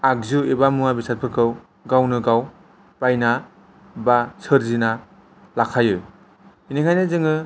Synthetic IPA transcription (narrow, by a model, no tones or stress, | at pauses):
ak̚zuebamuŋabisat̚pʰɯɾkʰɯw | ɡawnɯɡaw | pajna | basʰɯɾzina | lakʰajɯ | iniŋʰajnɯzɯŋɯ